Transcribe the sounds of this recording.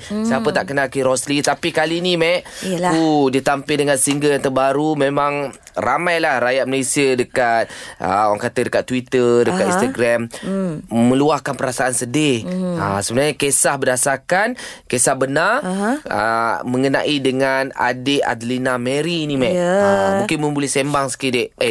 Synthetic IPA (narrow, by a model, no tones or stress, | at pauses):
səapət̪aʔkənakiɾɔslit̪apikalinĩmɛʔkudiət̪ampɪldəŋansiŋɡəljant̪əbaɾumẽmãŋ | rʔa̰mãjlahɾajat̪̚məlesiədəkat̪̚ə̰oaŋkat̪ədəkat̪ːwit̪ərdəkat̪inst̪aɡɾɛm | mə̃luahkanpəɾasaansədɪasəbənarɲakesahbədasarkankesahbənarə̰mə̃ŋəna̰ʔidəŋana̰dɪʔa̰d̪əlinaməɾinĩmɛ̃ʔmuŋkɪnməmbulɛhsembaŋsə̥kideʔe